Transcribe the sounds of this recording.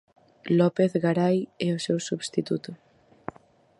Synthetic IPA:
lɔpeθɣaɾajɛosewsuβst̪it̪ut̪ʊ

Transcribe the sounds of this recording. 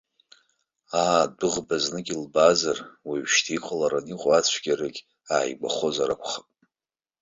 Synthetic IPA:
aːdɨʁbaznɨɡʲilbazarwiɥʃtʰiqʼalaɾaniqʼoat͡ɕʷʰɡ̥ʲarɨɡʲ | aːjɡ͡ba̰χo̞zaɾa̰kʷʰχapʼ

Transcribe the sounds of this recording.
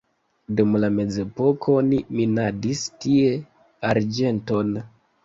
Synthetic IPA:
dumlame̞d͡ze̞po̞kʰo̞niminadistie̞ | aɾd͡ʒe̞nto̞n

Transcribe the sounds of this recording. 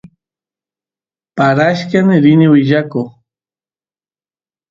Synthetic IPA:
paɾaʃkanɪɾɪnɪwɪʒako

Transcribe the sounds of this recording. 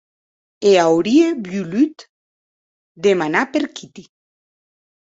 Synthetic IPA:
eawɾiebjulyt̪ | d̪emanapeɾkit̪i

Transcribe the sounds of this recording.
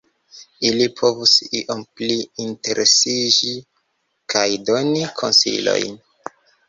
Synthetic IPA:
ilipʰo̞vusiʔompliinte̞ɾʔesid͡ʒi | kajdo̞nikʰonsḭlo̰jn

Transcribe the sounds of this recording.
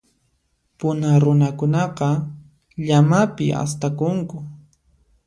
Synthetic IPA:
pʊnaɾʊnakʊnɑqɑ | ʎamapɪ̰ʔa̰st̪akʊŋkʊ

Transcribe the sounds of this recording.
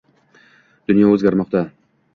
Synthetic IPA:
d̪̥ʊnjɒɵzɡʲaɾmɒqt̪a

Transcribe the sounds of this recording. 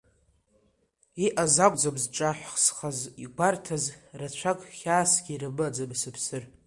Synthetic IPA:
iʔazakʷʼd͡zabzʈ͡ʂʼaħʷsχaziɡʷartʰazrat͡ɕʷʰakʼχʲaːsɡʲiɾɨmɨad͡zabsɨpʰsɨr

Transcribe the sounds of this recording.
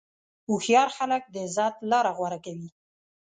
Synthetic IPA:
uxjɑɾxalək̚d̪əzɑt̪lɑɾaɣwaɾakawi

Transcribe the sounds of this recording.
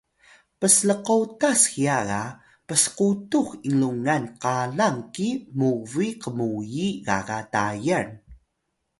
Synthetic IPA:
pəsləqotaskijaɣa | pəsə̥qutuxiŋluŋanqalaŋkimuviqəmujiɣa̰ɣatajan

